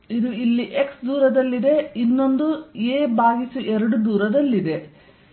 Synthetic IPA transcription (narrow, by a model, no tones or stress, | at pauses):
id̪uilːiʔeksd̪uːɾɐd̪ɐlːid̪e̞inːo̞nd̪ueːbaːɡisuʔɛɾɐɽud̪uːɾɐd̪ɐlːid̪e̞